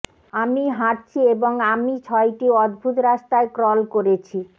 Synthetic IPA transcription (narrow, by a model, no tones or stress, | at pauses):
amiɦaʈt͡ɕʰieboŋamit͡ɕʰɔeʈiɔd̪̚bʱut̪ɾaʃt̪aekɾɔlkoɾet͡ɕʰi